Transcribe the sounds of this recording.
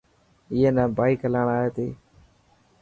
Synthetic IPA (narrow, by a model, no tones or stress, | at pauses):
ɪɦeːnə̃ːbaːikələːɳaːɦeːt̪iː